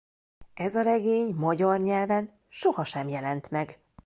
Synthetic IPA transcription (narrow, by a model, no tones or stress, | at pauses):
ʔɛzɒɾɛɡeːɲmɒɟɒrɲɛlvɛn | ʃohɒʃɛmjɛlɛnt̪mɛɡ